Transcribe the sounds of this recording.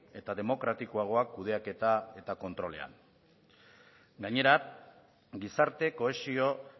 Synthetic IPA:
e̞t̪aðe̞mo̞kɾat̪ikoaɣ̞o̞akːuðe̞ake̞t̪ae̞t̪ako̞nt̪ɾo̞le̞a̰n | ɡaɲe̞ɾa | ɡisaɾt̪e̞ko̞esio̞

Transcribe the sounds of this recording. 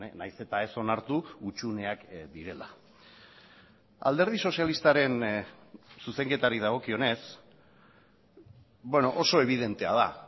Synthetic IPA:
najse̞t̪ae̞so̞naɾt̪uut͡ʃune̞akd̪iɾe̞la̰ | a̰ld̪e̞ɾð̞iso̞sijalist̪aɾe̞n | suse̞ŋke̞t̪aɾiðaɣ̞o̞kio̞ne̞s | bwe̞no̞ʔoso̞e̞β̞ið̞e̞nt̪e̞a̰ð̞a

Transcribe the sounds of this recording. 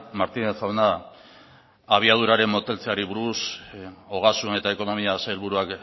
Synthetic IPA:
maɾt̪inesawena | aβ̞iað̞uɾaɾe̞mːo̞t̪e̞lt͡se̞aɾiβuɾuso̞ɣ̞asune̞t̪ae̞ko̞no̞miasaelβuɾuak

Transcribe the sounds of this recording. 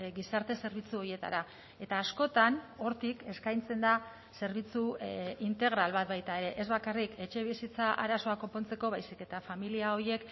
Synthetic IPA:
ɡisaɾt̪e̞se̞ɾβ̞it͡suo̞ɾje̞t̪a̰ɾa | e̞t̪aːsko̞t̪ano̞ɾt̪ike̞skajnt͡se̞nd̪a | se̞ɾβit͡suint̪e̞ɣ̞ɾalβat̪̚bajt̪ae̞ɾe̞ʔezβakarike̞t͡ʃe̞β̞isit͡saʔa̰ɾaso̞akompo̞nt͡se̞ko̞β̞ajsike̞t̪afamiliao̞je̞k

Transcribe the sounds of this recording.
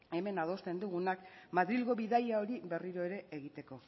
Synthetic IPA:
e̞me̞nað̞o̞st̪e̞nd̪uɣunakmaðɾilɣo̞βiðajao̞ɾiβe̞riɾo̞e̞ɾe̞ʔːɣ̞it̪e̞ko̞

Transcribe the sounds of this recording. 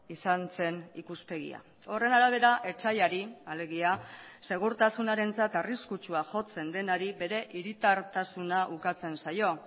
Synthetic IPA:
isant͡se̞nikuspe̞ɣḭa̰ | o̞re̞naɾaβ̞e̞ɾaʔe̞t͡ʃajaɾiale̞ɣ̞iase̞ɣ̞uɾt̪asunaɾe̞nt͡sat̪ariskut͡ʃuaʝo̞t͡se̞nd̪e̞naɾibe̞ɾe̞ʔiɾit̪aɾt̪asunaʔukat͡se̞nsajo̞

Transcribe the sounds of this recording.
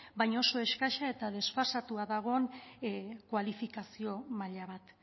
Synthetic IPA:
bajɲo̞so̞e̞ʃkaʃae̞t̪aðe̞sfasat̪uaðaɣ̞o̞n | kwalifikasio̞maʎaβat̪

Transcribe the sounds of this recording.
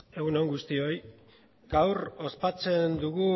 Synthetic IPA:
e̞ɣunoŋɡust̪io̞j | ɡ̥awro̞spat͡se̞nd̪uɣu

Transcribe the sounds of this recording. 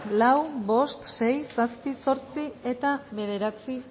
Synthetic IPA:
lawβo̞st̪ʃe̞jsaspiso̞ɾt͡sie̞t̪aβe̞ð̞e̞ɾat͡si

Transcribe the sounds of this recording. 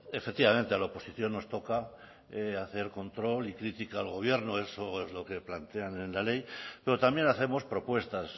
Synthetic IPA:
efek̚t̪iβamẽ̞nt̪ealaopo̞siθjo̞nːo̞st̪o̞ka | eaθe̞ɾko̞nt̪ɾo̞likɾit̪ikaːlɣ̞o̞β̞je̞ɾnoe̞soezlo̞ke̞plant̪e̞ane̞nlale̞jpe̞ɾo̞t̪ambje̞naθe̞mo̞spɾo̞pwe̞st̪as

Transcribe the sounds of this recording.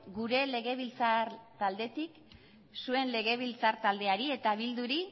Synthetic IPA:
ɡuɾe̞le̞ɣ̞e̞β̞ilt͡saɾt̪ald̪e̞t̪ik | sue̞nle̞ɣe̞β̞ilt͡saɾt̪ald̪e̞aɾie̞t̪aβild̪uɾi

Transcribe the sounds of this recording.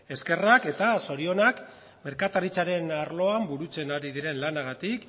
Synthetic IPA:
e̞ske̞rake̞t̪aso̞ɾio̞nak | me̞ɾkat̪aɾit͡saɾe̞naɾlo̞ambuɾut͡se̞naɾiðiɾe̞nlanaɣ̞at̪ik

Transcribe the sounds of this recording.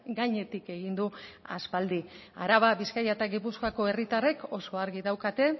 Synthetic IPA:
ɡaɲe̞t̪ike̞ɣind̪ua̰spald̪ia̰ɾaβaβiskajat̪aɣipuskoako̞e̞rit̪are̞ko̞so̞aɾɣiðawkat̪e̞

